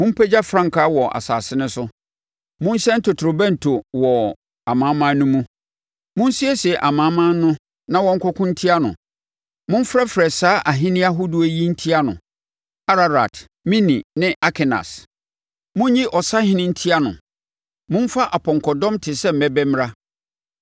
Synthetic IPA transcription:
mʊ̃˦m̩˦pʰɛ˦d͡ʑa˦fɾã˦ŋ˨kʰa˨˦wɔ˨ʔa̰˨saː˨sɪ˦nɪ̃˦sʊ˦ | mʊ̃˦n˦ɕɛ̃˦n̩˦tʰɔ˨tʰɾo˨bɛ̃˦n̩˨tʰo˨wɔ˨ | a˨mã˨˦mã˦nʊ̃˦mũ˦ | mʊ̃˦n˦si˦ɛ˦si˨ɛ˨ʔa˨mãː˨˦mã˦nʊ̃˦ | nã˦wɔ̃˦ŋ̩˦kʰɔ˦kʰʊ̃˦n̩˦tʰi˦a˦nʊ̰̃˨ | mʊ̃˦m̩˦fɾa˦fɛ˨saː˦ʔa˨ɦɪ̃˦nɪ̃˦a˦ɦʊ˦du˦e˦ji˦n̩˦tʰi˦a˦nʊ̰̃˨ | a˦ɾa˨ɾa̰˨t | mĩ˦nĩ˨nɪ̃˦ʔa˦kʰɛ˨na̰˨s | mʊ̃˦n˦ɲĩ˦ʔɔ˨sa˦hɪ̃˦nɪ̃˦n̩˦tʰi˦a˦nʊ̰̃˨ | mʊ̃˦n˦fa˦ʔa˨pʰɔ̃˨ŋkʰɔ˨dɔ̃˦mtʰɪ˨sɛ˦m̩˨mɛ˦bɛ˦m˦ɾa˦

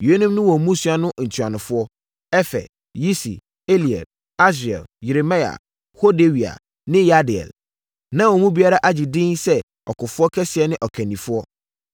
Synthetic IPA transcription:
jo˨e˦nũ˦mnʊ̃˦wɔ˨mũ˦su˦a˨nʊ̃˦ʔn̩˨tʰu˨a˨nʊ̃˨fʊ˦ɔ˦ | ɛ˦fɛ̰˨ | ji˦sḭ˨ | e˦li˨ɛ̰˨d̚ | a˦s̬ɛ̰˨lje˨ɾe˨ma˦ja̰˨ | ho˦de˦wi˨a̰˨ | nɪ̃˦ja˦dɪ˨ɛ̰˨l | nã˦wɔ˨mũ˦bi˦a˦ɾa˦ʔa˦d͡ʑi˨dɪ̃˦nsɛ˦ | ɔ˨kʊ˨fʊ˦ɔ˦kʰɛ˦sɪ˨ɛ˦nɪ̃˦ʔɔ˨kʰɛ̃˨nĩ˨fʊ˦ɔ˦

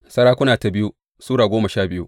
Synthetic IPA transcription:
sɐ˦ɽaː˦kʷʊ˦naː˨ta˨bɪ˦ju˦ | suː˦ɽaː˨ɡʷoː˦mɐ˨ʃaː˦bɪ˦jṵ˦

